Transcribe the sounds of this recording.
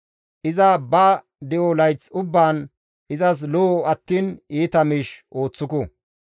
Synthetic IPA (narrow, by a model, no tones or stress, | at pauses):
ʔɪzɐbɐ | d̪ɛʔɔlɐjt͡sʊbːaːn | ɪzɐs̬lɔːɐt̪ːiːniːt̪ɐmɪʃʔo̞ːt͡sːʊkɔ